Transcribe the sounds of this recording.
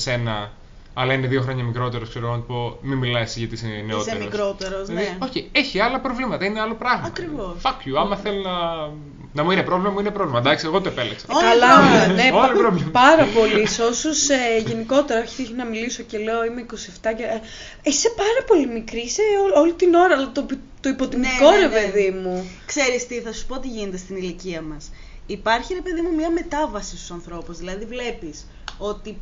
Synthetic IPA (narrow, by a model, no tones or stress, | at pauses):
se̞nɐ | ɐlɐineðio̞xɾo̞ɲɐmikɾo̞t̪e̞ɾoskseɾoɣonɐt̪opo̞minmilɐjsʝɐt̪isineosmiokɾot̪eɾosneoçieçiɐlɐpɾovlimɐt̪ɐineɐlopɾɐɣmɐɐt̪ɾivosfɐkjuɐmɐθelonɐ | nɐmuinepɾo̞vlimɐmuinepɾo̞vlimɐd̪ɐksieɣo̞t̪oepeleksɐokɐlɐneolɾovlimpɐɾɐpo̞liso̞soseʝe̞niko̞t̪e̞ɾɐoçitinɐmiliso̞ce̞leo̞imeiko̞sieft̪ɐce | ise̞pɐɾɐpo̞limikɾiseoo̞lit̪ino̞ɾɐlɐt̪o | t̪o̞ipo̞t̪imt̪iko̞ɾe̞pe̞ðimukse̞ɾist̪iθɐsu̥po̞ot̪iʝinet̪est̪iniliciɐmɐs | ipɐɾçiɾe̞pe̞ðimumɲɐme̞t̪ɐvɐsist̪o̥sɐnθɾo̞puzðilɐðivle̞pis | o̞t̪i